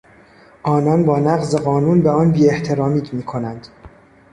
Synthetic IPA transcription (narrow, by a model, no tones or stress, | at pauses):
ʔɒːnɒːnbɒːnæɣzeɣɒːnuːnbeɒːnbiːe̞ht̪ʰe̞ɾɒːmiːd̪miːkʰo̞nænd̪̥